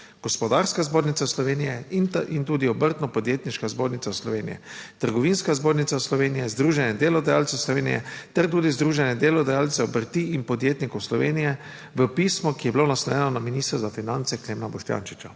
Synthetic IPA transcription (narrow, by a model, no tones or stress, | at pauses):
ɡ̥ɔspɔd̪aɾskazboːɾnit̪saslɔʋeːnijɛnint̪uːd̪iɔbəɾt̪nɔpɔd̪jeːt̪niʃkazboːɾnit̪saslɔʋeːnijɛ̰t̪əɾɡɔʋinskazboːɾnit̪saslɔʋeːnijɛzd̪ɾuːʒɛnjɛd̪eːlɔd̪ajalt̪sɛwslɔʋeːnḭjɛ̰t̪ɛɾt̪uːd̪izd̪ɾuːʒɛnjɛd̪eːlɔd̪ajaːlt̪sɛɔbəɾt̪iinpɔd̪jeːt̪nikɔwslɔʋeːnijɛ | ʋəpiːsmɔkijɛbilonaslɔjɛnɔnaminist̪ɾazafinant̪sɛkleːmnabɔʃt̪ja̰ːnʃi̥t͡ʃa